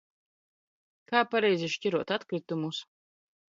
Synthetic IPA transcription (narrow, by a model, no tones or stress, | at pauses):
kaːpaɾɛjziʃcʲiɾuɔt̪at̪kɾit̪umus